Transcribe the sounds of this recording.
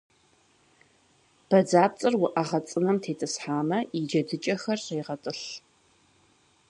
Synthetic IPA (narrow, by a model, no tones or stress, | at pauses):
b̥ɐd͡zaːp̚t͡sʼɨrwʊʔɐʁɐt͡sʼɨnɐmtʰeːtʰʼɨsħaːmɐid͡ʒɐdɨt͡ʃʼɐxɐrɕeːʁɐtʼɨɬ